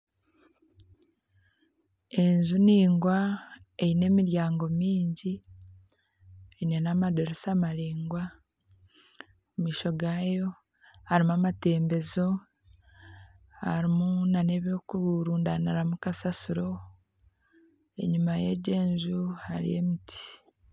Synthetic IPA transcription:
e̞ɲzuniːŋɡwa | ejine̞ːmiɾjaːŋɡo̞miːɲɟi | einenamadoɾesamaɾiːŋɡwa | umiːʃo̞ɡaːjo̞ | haɾimuamate̞ːmbe̞zo̞ | ha̰ɾimunane̞βjo̞ːkuɾuɾuːndaniɾamukasasuɾo̞ | e̞̰ɲumaje̞̰ɟe̞ːɲzuhaɾḭjḛmitʰi̥

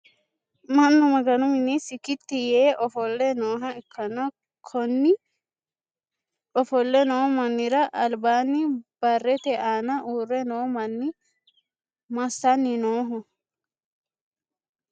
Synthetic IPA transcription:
mɐnːʊmɐɡɐnʊmɪnisɪkɪt̪ːɪjeːʔɔfɔlːɛnoːɦɐɪkʰːɐnɐ | kʰɔnːɪ | ɔfɔlːɛnoːmɐnːɪɾɐʔɐlbaːnɪb̥ɐrːɛt̪ɛʔaːnɐʔuːrːɛnoːmɐnːɪ | mɐsːɐnːɪnoːɦʊ

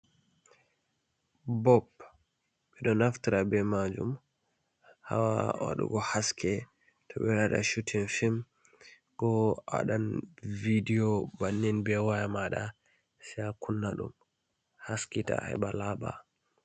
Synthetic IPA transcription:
bɔp | ɓɛɗɔnaftiɾabɛmad͡ʒum | ha̰wawa̰ɗṵɡɔhaskʰɛ | tʰɔɓɛwaɗa̰ʃutʰinfim | ɡɔʔa̰ɗanvidiɔbanːinbɛwajamaɗa | siakunːaɗum | haskita̰hɛ̰balaba̰

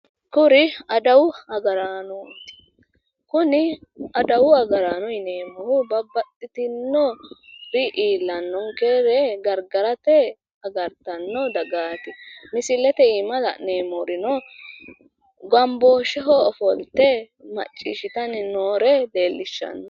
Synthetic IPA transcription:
kʊɾɪɐd̪ɐwʊɐɡɐɾaːnɔt̪ːɪ̥ | kʊnɪɐd̪ɐwʊɐɡɐɾaːnɔɪneːmɔhʊbɐbːɐt̪ʼːɪt̪ɪnːɔbɪʔiːlːɐnːɔŋkeːɾɛɡɐɾɡɐɾɐt̪ɛ | ɐɡɐɾt̪ɐnːɔd̪ɐɡaːt̪ɪmɪsɪlɛt̪ɛimɐlɐ̰neːmɔɾɪnɔ | ɡɐmboːʃɛɦɔɔfɔlt̪ɛ | mɐ̰t͡ʃʼːḭːʃɪt̪ɐnɪnoːɾɛd̪e̞ːlːɪʃːɐ̰nːɔ

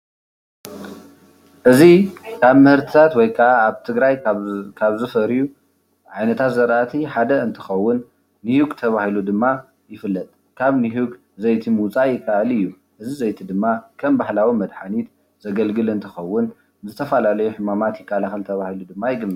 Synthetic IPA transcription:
ʔɨzikʰaβmɨhɨɾt̪ʰi̥t̪ʰat̪wɔjkʰaaaβt̪ʰɨɡɾajkʰaβzɨfɐɾju | ʕajnɐt̪ʰat̪zɐɾʔat̪ʰiħad̪ɐɨnt̪ʰɨ̥xɐwːʊnː | ihuɡt̪ʰɐβahilud̪ɨmːa | jɪfɨlːɐt̪ʼ | kʰaβniɦuɡ | zɐjt̪ʰimut͡sʼajɪkʰːaʔalɨjːu | ʔɨzizɐjt̪ʰid̪ɨmːakʰɐmbahlawimɐd̪ħanit̪ | z̥ɐɡɐlɡɨlɨnt̪ʰɨxɐwːʊn | zɨt̪ʰɐfalalɐjuħɨmamat̪jɪkʰːalaxɐlt̪ʰɐβahilud̪ɨmːajɪɡɨlmɨ

